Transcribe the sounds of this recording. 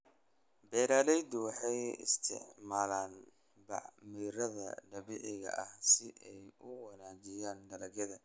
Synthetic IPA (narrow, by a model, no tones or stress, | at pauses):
bɛːɾaːlɛjd̪ʊwɑħɑjɪ̰st̪ʰɪ̰ʕmaːlaːn | bɑ̰ʕmiːɾɐðɐ̰ɖɐβiʕɪɣɐ̰ʔɐhsɪʔɛjʊwɐnaːt͡ʃɪjaːndɐlɐɡɐðɐ